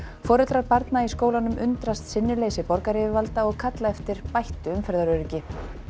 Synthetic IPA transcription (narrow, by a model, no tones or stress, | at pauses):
fɔːɾʏt̪ɾaɾpaɾt̪naiskoːwlanʏmʏnt̪ɾast̪sɪnːɪɾleːjsɪpɔɾkaɾɪvɪvalt̪aɔɣkʰat̪laɛft̪ɪɾ̥pajht̪ʏʏmfɛɾðaɾœːɾɪcɪ